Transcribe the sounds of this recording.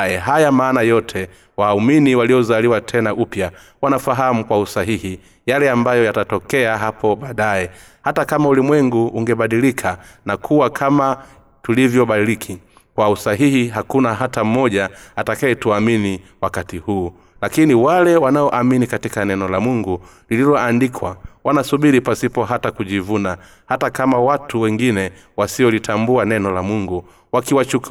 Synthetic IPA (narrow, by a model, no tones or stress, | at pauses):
ɛɦajamaːnajɔtʰɛ | wauminiwalijɔzaliwatʰɛnaʔupja | wanafaɦamukwausaɦihi | jalɛambajɔjatatɔkɛaɦapʰɔɓaːɗaɛ | hatakamaulimwɛŋɡuːŋɡɛɓaɗilikʰanakʰuwakʰama | tulivjɔɓaɗilikʰi | kwausaɦihiɦakunaɦatam̩mɔʄaatakaɛtuaminiwakatihuː | lakiniwalɛwanaɔʔaminikatikanɛnɔlamuŋɡu | lililɔandikʰwawanasuɓiɾipasipɔɦatakuʄivuna | hatakamawatʰuwɛŋɡinɛ | wasiɔlitʰambuanɛnɔlamuŋɡu | wakiwat͡ʃuk